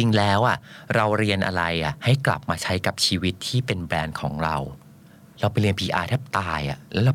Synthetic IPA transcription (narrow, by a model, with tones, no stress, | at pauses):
t͡ɕi˧ŋlɛː˦˥wʔa˨˩ɾa˧wɾi˧ənʔa̰˧ɾa˧jʔa˨˩ha˥˩jkla̰˨˩p̚maː˧t͡ɕʰa˦˥jka˨˩p̚t͡ɕʰiː˧wi˦˥t̪ʰːiː˥˩pe˧nbɾɛː˧nkʰɔː˩˦ŋɾa˧w | ɾa˧wpa˧jɾi˧npʰiː˧ʔaː˧t̪ʰɛ˦˥p̚t̪aː˧jʔa̰˨˩lɛː˦˥a˧˩